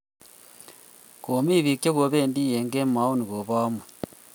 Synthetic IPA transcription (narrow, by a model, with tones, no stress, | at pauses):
ko˨mi˦βi˨kje˦ɣo˨˦βe˦ndi˦je˨ŋɡe˦ma˦o˦ni˨ɣo˨βaː˦mwe˨